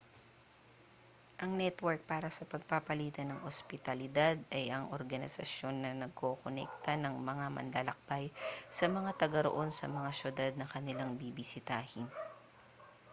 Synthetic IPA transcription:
ʔɐŋnɛt̪wɛɹk̚paːɾɐsɐpɐɡ̚papɐliːt̪ɐnɐŋospɪt̪ɐlɪd̪ad̪ɐjʔɐŋoɾɡɐnɪ̰sɐ̰ʃjo̞nːɐnɐɡ̚ko̞konɛ̰k̚t̪ɐnɐŋmɐŋamɐ̰nlaːlɐk̚bajsɐmɐŋat̪ɐɡɐɾo̰ʔo̞nsɐ̰mɐŋaʃʊd̪ad̪̚nɐŋkɐnɪlaŋbibɪsɪt̪aːhɪn

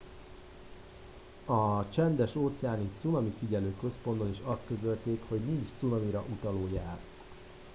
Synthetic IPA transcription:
ɒt͡ʃɛnd̪ɛʃoːt̪sɛaːnit̪sunɒmifiɟɛløːkø̞spo̞nd̪o̞niʃɒst̪kø̞zø̞lt̪eːkho̞ɟnint͡ʃt̪sunɒmiɾɒʔut̪ɒloːjaːr

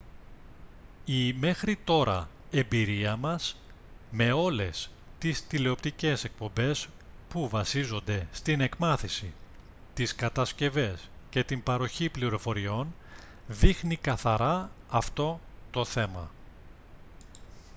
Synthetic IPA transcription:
ime̞xɾit̪o̞ɾɐ̰ | e̞mbiɾiɐmɐs | me̞o̞le̞s | t̪ist̪ile̞o̞p̚t̪ice̞se̞k̚po̞mbe̞s | puvɐsizo̞nd̪e̞st̪ine̞kmɐθisi | t̪iskɐt̪ɐsce̞ve̞sce̞t̪imbɐɾo̞çipliɾo̞fo̞ɾio̞n | ðixnikɐθɐɾɐːft̪o̞t̪o̞θe̞mɐ̰

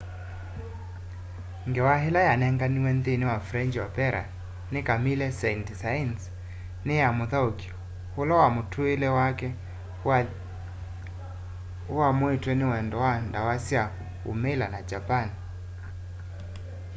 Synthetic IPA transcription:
ŋɡɛwaɦelajanɛŋɡaniwɛndeniwafɾɛɲd͡ʒwapɛɾʔa̰ | nekamilɛsɛindisaɛns | nejamuðaoki̥ | hulɔwamutʰuelɛwakɛ | uwamwitwɛnɪwɛndɔwandawasia | ṵmɛlanad͡ʒapani

